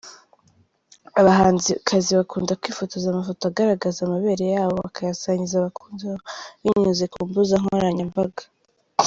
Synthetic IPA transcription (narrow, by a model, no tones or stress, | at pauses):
aβaɦaːnzikʰaziβakuːndakwiːfotozamafo̞toaɡaɾaɡazamaβe̞ːɾe̞jaːβoβakajasaɲizaβakuːndaiɲuzekuːmbuzaŋoɾaɲambaɡḁ